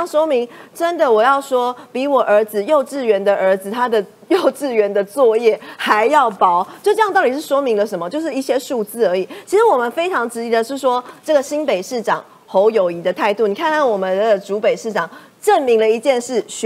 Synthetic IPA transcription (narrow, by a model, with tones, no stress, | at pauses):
ŋʂwɔ˥mi˧˥ŋʈ͡ʂə˦nd̪ə˨wɔ˨˩jɑ˥˩ʊʂwɔ˥pi˧˥wɔ˨˩ʔə˞˧˥d͡z̩˧jo˥˧ʊʈ͡ʂɻ̩˥˩ɥɛ˧˥nd̪ə˨ʔə˞˧˥d͡z̩˨˩t̪ʰa˥d̪ə˨ | jo˥˧ʊʈ͡ʂɻ̩˥˩ɥɛ˧˥nd̪ə˧t͡swɔ˥˧jɛ˥˩xa˧˦ɪjɑ˥˩ʊpɑ˥˦ʊt͡ɕjo˥˧ʈ͡ʂɤ˥˧jŋt̪ɑ˥ʊt̪i˨˩ʂ̬ɻ̩˥˩ʂwɔ˥mi˧˥ŋlə˨ʂə˧˥nmə˦t͡ɕjo˥˧ʊʂ̬ɻ̩˥˧i˥˩ɕjɛ˥ʂu˥˧t͡sɹ̩˥˩ə˞˧˥i˨˩t͡ɕʰi˧˥ʂɻ̩˧˥wɔ˨˩mə˨˦nfe˥ɪʈ͡ʂʰɑ˧˥ŋʈ͡ʂɻ̩˧˥i˧˥d̪ə˨ʂɻ̩˥˩ʂwɔ˥ʈ͡ʂɤ˥˩ɡə˩ɕi˥npe˨ɪʂɻ̩˥˩ʈ͡ʂɑ˨˩˦ŋ | xo˧˥ʊjo˨˩ʊi˧˥d̪ə˨t̪ʰa˥˧ɪt̪u˥˩ni˨˩kʰa˥˧nkʰa˥˩nwɔ˨˩mə˦nd̪ə˨ʈ͡ʂu˧˥pe˨˩ɪʂɻ̩˥˩ʈ͡ʂɑ˨˩˦ŋ | ʈ͡ʂə˥˩nmi˧˥ŋlə˧i˧˥t͡ɕjɛ˥˧nʂɻ̩˥˩ɕ